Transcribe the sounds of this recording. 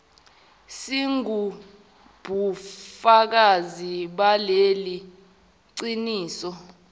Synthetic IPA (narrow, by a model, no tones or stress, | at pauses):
siŋu | b̥ʱufak̬aziɓaleli | ǀiniːsɔ